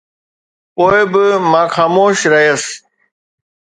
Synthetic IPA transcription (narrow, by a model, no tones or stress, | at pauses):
poːebɪmãːxaːmoːʃɾɐɦes